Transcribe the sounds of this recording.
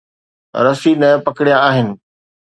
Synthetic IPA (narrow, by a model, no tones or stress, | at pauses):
ɾɐsinɐpɐkɪɽijãaːɦɪnɪ̆